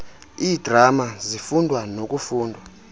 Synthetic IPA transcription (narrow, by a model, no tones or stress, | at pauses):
iːd̥ʱramazifundʱwanok̬ufuːndʱwa